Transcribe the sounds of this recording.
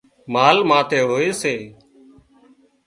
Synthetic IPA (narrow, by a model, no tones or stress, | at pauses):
maːlmãːt̪ʰeːɦoːeːseː